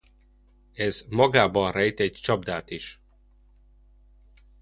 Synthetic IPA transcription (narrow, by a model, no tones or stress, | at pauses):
ɛzmɒɡaːbɒnrɛjt̪ɛɟt͡ʃɒbd̪aːt̪iʃ